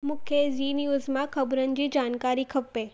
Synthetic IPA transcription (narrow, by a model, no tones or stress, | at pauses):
mʊkʰjeziːnijuzmãkʰɐbɾən̆d͡ʑiːd͡ʒaːnkaːɾikʰɐpːeː